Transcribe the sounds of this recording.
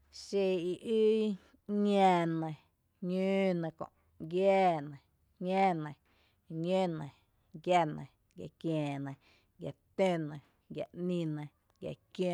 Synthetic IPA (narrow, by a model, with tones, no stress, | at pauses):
ʃe˧i˨ʔi˦ | ɲã˧nə̃˨ | ɲũː˦nã˧kõ̰˨ʔ | ɡjɛː˦nã˨ | ɲãː˦nə̃˨ | ɲẽː˦nə̃˨ | ɡja˦˧nə̃˨ | ɡja̰˨kjẽː˨nə̃˨ | ɡja˨t̪ẽ˦nə̃˨ | ɡja̰˨ʔnĩ˧nə̃˨ | ɡja̰˨kjõ˦˧